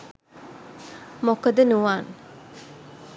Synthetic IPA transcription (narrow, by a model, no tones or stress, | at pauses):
mokəd̪ənuʋaːn